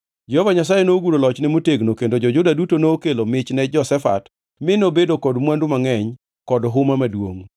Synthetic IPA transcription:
d͡ʒɛhovaɲasajenoɡuɾolɔt͡ʃnɛmoteɡnokendod͡ʒɔd͡ʒʊdadutonoːkelomɪt͡ʃnɛd͡ʒɔsɛfa̰t | mɪnobedokɔdmwandʊmaŋɛɲ | kɔdɦʊmamadwo̰ŋ

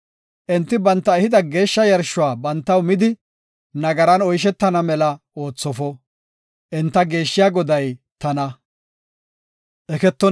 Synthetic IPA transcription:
ʔɛnt̪ːɪbɐnt̪ːɐɛhɪd̪ɐɡe̞ːʃːɐjɐɾʃʊwaːbɐnt̪ːɐwmɪd̪ɪ | nɐɡɐɾɐnɔjʃ̬ɛt̪ːɐnɐmɛlɐ | o̞ːt͡sːɔfɔ | ʔɛnt̪ːɐɡe̞ːʃːɪjaːɡɔd̪ɐjt̪ɐnɐ | ʔɛkɛt̪ːɔ

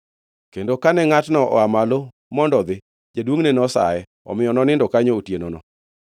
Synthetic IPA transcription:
kendokanɛŋatnɔʔɔ̰amalo | mɔndɔd̪ɪ | d͡ʒadwoŋnenɔsa̰jɛ | ɔ̰mɪjɔnɔnɪndɔkaɲootjenɔnɔ

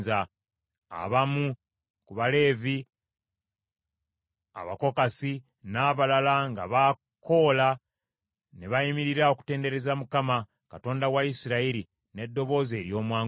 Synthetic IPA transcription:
za | a̰βamu | kuβale̞ːvi | a̰βako̞kasi | naːβalalaŋɡaβa | ko̞la | ne̞βajimiɾiɾao̞ku̥te̞ːnde̞ɾe̞zamukama | kato̞ːndawaisiɾaiɾi | ne̞dːo̞βo̞ːze̞ːɾjo̞ːmwaːŋ

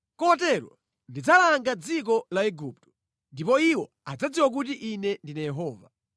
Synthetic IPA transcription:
kɔtɛlɔ̰ | ndid͡zalaŋɡad͡zik̬ɔlaɛɡup̚tɔ̥ | ndipɔiwɔ | ad͡zad͡ziwak̬utiʔinɛndinajɛɦɔːva

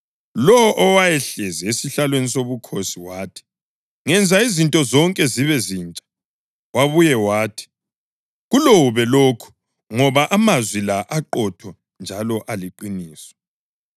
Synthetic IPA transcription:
lɔʔɔwajɛɬɛzɛesiɬalwenisoβukʰosiwaːtʰi̥ | ŋɛnd͡zʱaizintʼɔzɔŋkʼɛziβɛziːnt͡ʃʼḁ | waβujɛwaːtʰi̥ | ɣulowuβɛloːkʰu̥ | ŋɔβaʔamazwilaʔaǃɔtʰɔ | nd͡ʒʱalɔʔaliǃiniːswɛ̥

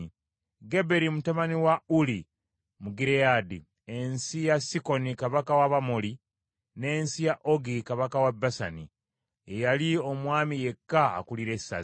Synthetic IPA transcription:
ɡe̞be̞ɾimutaβaniwauli | muɡiɾeadi | e̞nsijasiko̞nikaβakawaβamoli | ne̞ːnsijaʔoɡikaβakawabːasa̰ni | ejalio̞mwaːmije̞kːa̰ːkuliɾe̞sːa̰

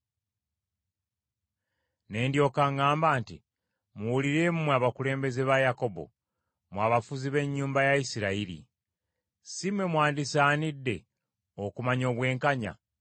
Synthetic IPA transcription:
ne̞ːndjo̞ːkaŋaːmbaːntḭ | muwuliɾe̞ːmumwaβakule̞ːmbe̞zeβajako̞bo̞̰ | mwaːβafuziβe̞ɲːuːmbajaisiɾaiɾḭ | simwe̞mwaːndisaːnidːe̞ | okumaɲo̞ːβwe̞ːŋkaɲa̰

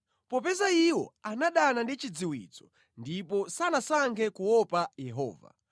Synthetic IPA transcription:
pɔpɛzaiwɔ̰anaɗanandit͡ʃid͡ziwḭt͡sɔ̥ | ndipɔsanasaŋkʰɛkuwɔpajɛɦɔ̰ːva̰

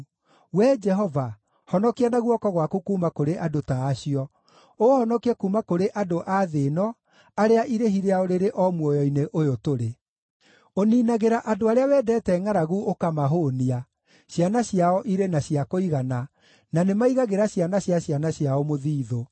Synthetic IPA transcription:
wɛd͡ʒɛɦɔva | hɔnɔkianaɣwɔkɔɣwakukuːmakoɾeʔadotaːɕiɔ | ohɔnɔkiɛkuːmakoɾeʔadoʔaðenɔ | aɾeaʔiɾeɦiɾeaoɾeɾeʔɔmwɔjɔineʔojotoɾe | oniːnaɣeɾaʔadoaɾeawɛːdɛːtɛŋaɾaɣuʔokamaɦonia | ɕjanaɕjaɔʔiɾenaɕiakoiɣana | nanemaiɣaɣeɾaɕjanaɕjaɕjanaɕiaɔmoðiːðo

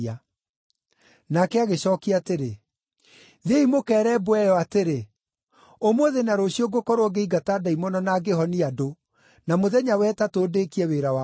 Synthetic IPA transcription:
a | nakɛaɣeɕɔːkiateɾe | ðeimokɛːɾɛbwɛjɔateɾe | omwoðenaɾoɕiɔɡokɔɾoɔɡeiɡataːdaimɔnɔnaːɡeɦɔniado | namoðɛɲawɛtatoːdeːkiɛweːɾawa

